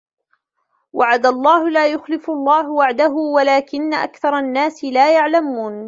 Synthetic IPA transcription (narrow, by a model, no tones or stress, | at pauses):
waʕad̪alˤːɑːhʊlaːjʊxlɪfɑlˤːɑːɦʊwaʕd̪aɦʊwalaːkɪnːaʔa̰kθɑɾˤɑnːaːsɪlaːjaʕlamuːn